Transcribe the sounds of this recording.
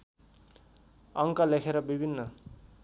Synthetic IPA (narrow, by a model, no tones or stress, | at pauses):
ʌŋkʌlekʰeɾʌbibʱinːʌ